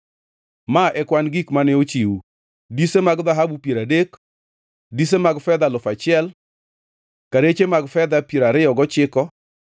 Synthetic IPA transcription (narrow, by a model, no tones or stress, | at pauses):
maʔɛkwanɡikmanɛot͡ʃiwu | disemaɡd̪aɦabupieɾadek | dis̬emaɡfɛd̪alʊfat͡ʃɪɛl | kaɾet͡ʃemaɡfɛd̪apeɾaɾɪɔɡɔt͡ʃɪkɔ